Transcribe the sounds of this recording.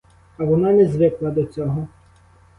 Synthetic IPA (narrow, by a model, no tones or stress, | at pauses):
ɐʋɔnɑnɛzʋɪklˠɐd̪ɔt͡sʲɔɦɔ